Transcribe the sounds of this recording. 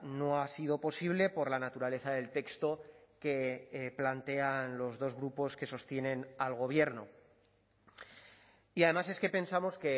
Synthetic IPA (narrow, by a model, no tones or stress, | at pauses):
no̞asið̞o̞po̞siβ̞le̞po̞ɾlanat̪uɾale̞θaðe̞lt̪e̞kst̪o̞ke̞plant̪e̞anlo̞zðo̞zɣɾupo̞ske̞so̞st̪je̞nẽ̞nalɣ̞o̞β̞je̞ɾno̞̰ | iaðe̞mase̞ske̞pe̞nsamo̞ske̞